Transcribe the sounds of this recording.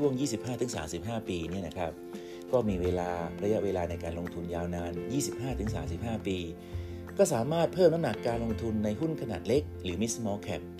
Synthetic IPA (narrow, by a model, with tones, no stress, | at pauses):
u˥˩əŋjiː˥˩si˨˩p̚ɦaː˥˩t̪ʰɯ˩˦ŋsaː˩˦msi˨˩p̚ɦaː˥˩piː˧ni˦˥˩ɐna˦˥kʰɾa˦˥p̚ | kɔː˥˩miː˧weː˧laː˧ɾa˧ja˦˥ʔweː˧laː˧na˧jkaː˧nlo˧ŋt̪ʰu˧njaː˧wnaː˧njiː˥˩si˨˩p̚ɦaː˥˩t̪ʰɯ˩˦ŋs̬aː˩˦msi˨˩p̚haː˥˩piː˧ | kɔː˥˩saː˩˦maː˥˩t̪̚pʰɤː˥˩mna˦˥mna˨˩kːaː˧nlo˧ŋt̪ʰu˧nːa˧jɦu˥˩nkʰa˧naː˨˩t̪̚le˦˥k̚ɾɯː˩˦mi˦˥smɔː˧kʰɛ˦˩p̚